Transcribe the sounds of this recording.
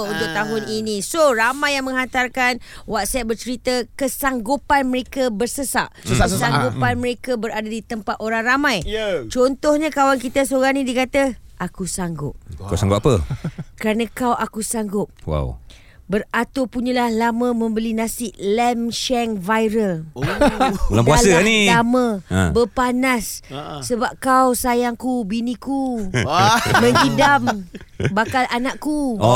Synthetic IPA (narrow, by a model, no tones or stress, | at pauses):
unt̪ʊk̚t̪aɦʊninĩsoramãjːaŋmə̃ŋɦat̪arkanwat̪̚sɛt̪̚bərt͡ʃəɾit̪əkəsaŋɡupanməɾekabərsəsa̰ʔsəassaŋɡupanmə̃ɾekabəɾadadit̪əmpat̪̚oɾaŋramãjt͡ʃɔnt̪ɔhɲãkawankit̪asoɾaŋnidikat̪əʔakusaŋɡʊp̚kasaŋɡʊp̚apəkəɾanə̃kawakusaŋɡʊp̚wa̰w | bərat̪opuɲalahlamə̃mə̃mbəlinãsɪʔlɛmʃɛŋvajɾəl | ulampuasənilamə̃bəpanasːəbap̚kawsajaŋkubiniku | məŋkidambakalʔanaʔku